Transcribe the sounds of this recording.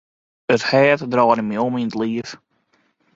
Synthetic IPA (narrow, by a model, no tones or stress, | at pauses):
əthɛːtdrɔːɾnəmiɔminətliəf